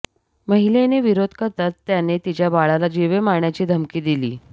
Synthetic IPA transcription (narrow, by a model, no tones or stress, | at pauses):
məɦileneʋiɾod̪ʱkəɾt̪at̪ːjanet̪it͡ɕjabaɭalad͡ʑeʋemaɳjat͡ɕiːd̪ʱəmkiːd̪ilḭː